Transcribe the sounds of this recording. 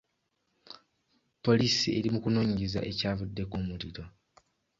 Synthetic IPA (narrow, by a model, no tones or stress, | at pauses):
po̞liːsie̞ɾimukunoːɲiɟeza̰ʔe̞caːvudːe̞kumuliɾo̞